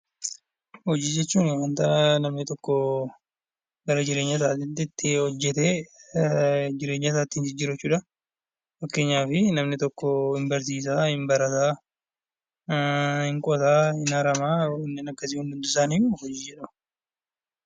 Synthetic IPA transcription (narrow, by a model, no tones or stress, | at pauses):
hɔd͡ʒiːd͡ʒɛt͡ʃːuːnɪhɐnt̪ɐnɐmnɪt̪ɔkːɔ | ɡɐɾɐd͡ʒɪɾe̞ːɲːɐt̪aːt̪ɪt̪ːɪt̪ːɪhɔd͡ʒːɛt̪eː | d͡ʒɪɾeːɲːɐt̪aːt̪ːɪnd͡ʒɪd͡ʒɪɾɐt͡ʃːuːᶑɐ | fɐkːe̞ːɲːaːfɪnɐmnɪt̪ɔkːɔɪmbɐɾsiːs̬aːhɪmbɐɾɐt̪aː | hɪŋkʼɔt̪aːhɪnaɾɐmaːɪnːɪnɐɡːɐs̬iːhʊnd̪ʊnt̪ʊɪsaːnijuɔd͡ʒiːd͡ʒɛᶑɐm